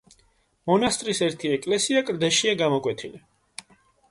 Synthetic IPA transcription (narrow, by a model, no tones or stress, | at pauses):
mɔnast̪ʼɾisɛɾt̪ʰiɛkʼlɛsiakʼɾd̪ɛʃiaɡamɔkʼwɛt̪ʰili